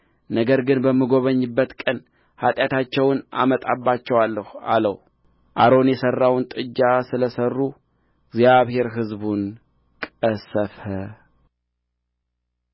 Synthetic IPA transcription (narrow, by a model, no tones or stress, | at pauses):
nəɡəɾɡɨnbəmːɨɡo̞βəɲːɨbːət̪kʼən | hat̪ʼjat̪ʰat͡ʃːɛwna̰mət̪ʼabːat͡ʃːɛwalːəha̰lə̰w | ʔaɾo̞njɛsərːawnt̪ʼɨd͡ʒːasɨləsərːu | ɡzjaβhe̞ɾɦɨzbun | kʼəsəfə